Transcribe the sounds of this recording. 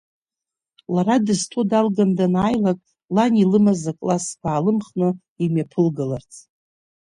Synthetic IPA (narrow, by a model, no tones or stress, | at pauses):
laɾadɨztʰudalɡamdanaːjlakʼ | lanilɨmazakʼlaskʷʰaːlɨmχnɨ | imjapʰɨlɡalart͡sʰʼ